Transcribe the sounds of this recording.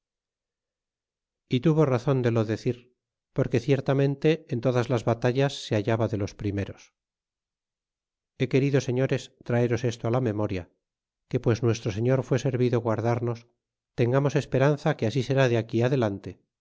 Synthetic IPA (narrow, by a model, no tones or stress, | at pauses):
it̪uβo̞raθo̞nd̪e̞lo̞ðe̞θiɾ | po̞ɾke̞θje̞ɾt̪amẽ̞nt̪e̞ːnt̪o̞ðazlazβat̪aʎasːe̞aʝaβaðe̞lo̞spɾime̞ɾo̞s | e̞ke̞ɾiðo̞se̞ɲo̞ɾe̞st̪ɾae̞ɾo̞se̞st̪oalame̞mo̞ɾja | ke̞pwe̞sznwe̞st̪ɾo̞se̞ɲo̞ɾfwe̞se̞ɾβiðoɣwaɾðaɾno̞s | t̪e̞ŋɡamo̞sespe̞ɾanθakeasise̞ɾaðeakiaðe̞lant̪e̞